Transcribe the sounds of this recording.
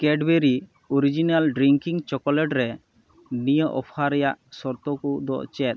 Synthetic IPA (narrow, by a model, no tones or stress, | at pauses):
kɛɖbeɾi | oɾid͡ʒinalɖɾiŋkiŋt͡ʃɔkɔlɛʈɾɛ | nijəʔɔpʰaɾɛjaʔsɔɾt̪ɔkɔd̪ɔ̰ʔt͡ʃɛt̪̚